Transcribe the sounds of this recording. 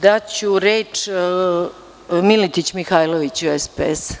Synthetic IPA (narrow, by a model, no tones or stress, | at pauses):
d̪at͡ɕuɾet͡ʂ | milit̪it͡ɕmixaːjloʋit͡ɕuespes